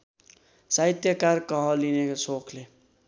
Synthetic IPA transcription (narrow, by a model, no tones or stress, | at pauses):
sait̪jʌkarkʌɦʌ̃linekasokʰle